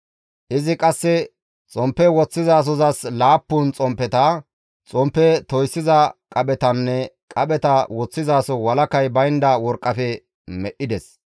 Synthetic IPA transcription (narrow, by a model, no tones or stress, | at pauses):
ʔɪzɪkʼɐsːɛ | t͡sʼɔmpːɛwɔt͡sːɪzaːs̬ɔzɐslaːpːunt͡sʼɔmpːɛt̪ɐ | t͡sʼɔmpːɛt̪ɔjsːɪzɐkʼɐɓɛt̪ɐnːɛ | kʼɐɓɛt̪ɐwɔt͡sːɪzaːsɔwɐlɐkɐjbɐjnd̪ɐwɔɾkʼːɐfɛ | mɛʔɪd̪ɛs